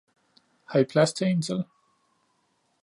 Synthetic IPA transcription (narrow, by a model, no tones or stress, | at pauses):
hɑipʰlæst͡sʰensəl